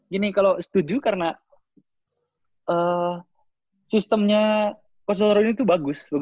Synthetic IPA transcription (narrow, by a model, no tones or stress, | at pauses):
ɡinikalosə̥t̪ud͡ʒukaɾəna | ʔəː | sist̪əmɲa | kos̬oɾoinit̪ubaɡʊsbaɡ